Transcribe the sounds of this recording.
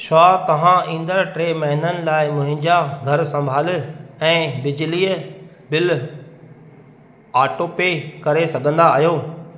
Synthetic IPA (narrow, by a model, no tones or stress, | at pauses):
ʃaːt̪ɐʋ̤ãʔĩːn̆d̪əɾʈɾeːmɛɦɪnənɪ̆laːɪmʊ̃ɦɪ̃ɲd͡ʑaɡʱɐɾsɐ̃mbʱaːlɪɛ̃ːbɪd͡ʑliːə | bɪl | aːʈoːpekɐɾesɐɡʱə̃nd̪aːɦjoː